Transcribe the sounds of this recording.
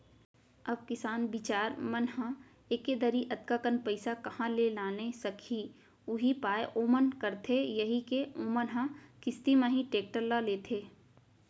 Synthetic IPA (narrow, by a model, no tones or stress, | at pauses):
ɐb̚kɪsaːnbɪt͡ʃaːɾmənɦã | eːked̪əɾiʔɐt̪kakənpɐɪsakɐhãlelaːnesɐkʰi | ʊɦipaːeʔoːmənkɐɾt̪ʰejɐɦikeoːmənɦãkɪst̪imãɦĩʈeːk̚ʈəlːaleːt̪ʰeː